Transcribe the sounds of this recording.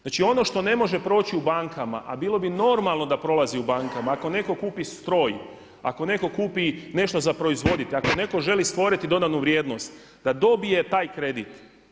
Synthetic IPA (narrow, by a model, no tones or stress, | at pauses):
znaːt͡ʃio̞no̞ʃt̪o̞ne̞mo̞ʒe̞pɾo̞ːt͡ɕiubaŋkama̰ʔa̰biːlˠo̞bino̞ɾmalˠno̞d̪apɾo̞lˠaziubaːŋkamaːko̞ne̞ko̞kuːpist̪ɾo̞ːj | a̰ko̞ne̞ko̞kuːpine̞ʃt̪o̞zapɾo̞izʋo̞d̪it̪eako̞ne̞ko̞ʒe̞list̪ʋo̞ɾit̪id̪o̞d̪anuʋɾje̞ːd̪no̞st̪ | d̪ad̪o̞bije̞t̪aːjkɾe̞d̪it̪